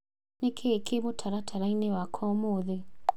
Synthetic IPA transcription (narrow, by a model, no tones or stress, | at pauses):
nekʰekʰemotʰaɾatʰaɾainewakʰɔmoðe